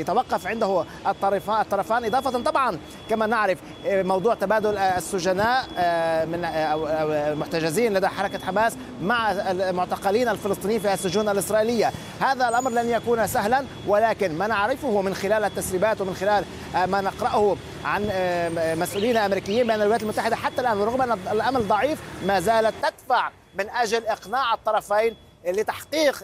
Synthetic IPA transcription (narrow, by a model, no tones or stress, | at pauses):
jat̪awɑqːɑfʕɪnd̪ahʊ | ʔt̪ˤːɑɾˤɑfaːt̪ˤːɑɾˤɑfaːnʔɨd̪ˤɑːfɑt̪t̪ˤɑbʕɑn | kamanɪʕɾɪf | mɑwd̪ˤuːʕt̪abaːd̪ʊlasːʊʒanaːʔmɪnwmʊħt̪aʒɪziːnlad̪aħɑɾˤɑkaħamaːs | maʕmʊʕt̪ɑqɪliːnalfɪlɨsˤt̪ˤinjiːnfiːhasːʊʒuːnʔalʔɪsɾˤɑːʔiːlɪjːa | haːðalʔɑmɾˤlanjakuːnsaɦlan | walaːkɪnmanaʕɾɪfʊhʊmɪnxɪlaːlʔat̪ːasɾiːbaːt̪wɪmɪnxɪlaːl | manɪqɾɑʔhʊ | ʕan | masʔuːliːnalʔamɾiːkɪjːiːmbeːnalwɪaːt̪lmʊt̪ːaħɪd̪aħat̪ːalʔaːnwɾʊɣmʔanlʔamald̪ˤɑʕiːfmaːzaːlat̪ːad̪faʕ | mɪnʔaʒalʔɪqnaːʕɑt̪ˤːɑɾˤɑfajn | lɪt̪ɑħqiːq